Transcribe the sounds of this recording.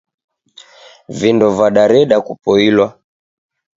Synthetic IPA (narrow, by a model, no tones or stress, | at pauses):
vindɔvaɗaɾɛɗakupɔilwa